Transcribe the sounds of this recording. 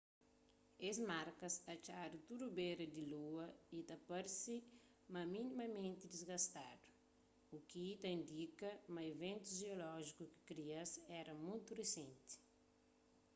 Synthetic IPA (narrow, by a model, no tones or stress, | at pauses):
ezmaɾkɐsɐt͡ʃadut̪uɾubeɾɐd̪iluɐit̪ɐpɐɾsi | mɐminimɐmẽnt̪id̪izɡɐst̪ad̪u̥ | ukiit̪ɐĩnd̪ikɐmɐevẽnt̪uʒeolɔʒikuki̥kɾiɐsɛɾɐmũjt̪uresẽnt̪i̥